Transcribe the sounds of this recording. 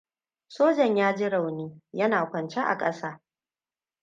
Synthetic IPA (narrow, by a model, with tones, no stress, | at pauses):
soː˦d͡ʒɐ˨ɲjaː˦d͡ʒɪ˦ɽa˨wniː˦jɐ˦naː˨kʷɐ˨nt͡ʃe˦ʔa̰˨kʼɐ˦saː˦